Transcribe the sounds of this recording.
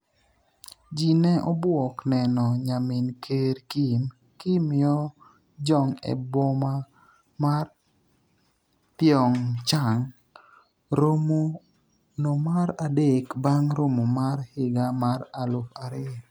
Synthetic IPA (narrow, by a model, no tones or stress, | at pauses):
d͡ʒinɛʔɔbwɔknɛnɔɲamɪnkʰeɾkim | kimɪɔ | d͡ʒɔŋɛ̰bɔma | mar | pɪɔŋt͡ʃaŋ | ɾomo | nomaɾadekbaŋɾomomarhɪɡamaɾalʊkaɾɪ